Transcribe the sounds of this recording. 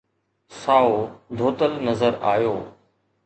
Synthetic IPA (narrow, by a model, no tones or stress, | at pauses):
saːod̪ʱoːt̪əlnəzəɾa̰ːjoː